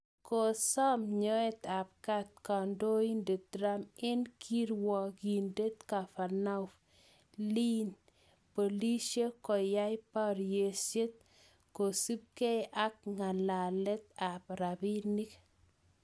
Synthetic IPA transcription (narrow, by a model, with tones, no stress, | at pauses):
ko˨sɔ˦mɲɔ˦e˦t̪a˨p̚ka˦t̪̚kɔ˨ndo˦i˦nde˨t̪̚ɾa˦mɪ˦nkʰi˦ɾwɔ˨ki˨nde˦t̪ka˨fa˨na˦ʊf | li˦n | po˨li˦se˦kɔ˨ja˦jpa˦ɾje˨se˦t̪̚ | ko˨su˦p̚ke˦ʔa˦k̚ŋa˨la˨lɛ˦t̪̚a˨pɾa˨bi˦ni˦k